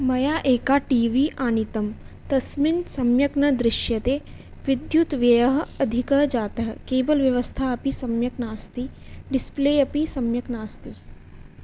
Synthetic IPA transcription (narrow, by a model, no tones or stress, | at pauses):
mɐjaːʔeːkaʈiːʋiʔaːnit̪ɐm | t̪ɐsminsɐmjɐkɳɐd̪ɾɪʃjɐt̪eː | ʋid̪jut̪ʋjɐjɐɦɐɐd̪ʱikɐd͡ʒaːt̪ɐɦkeːbɐlʋjɐʋəst̪ʰaɐpisɐmjɐknaːst̪iɖɪspleːɐpisɐmjɐknaːst̪i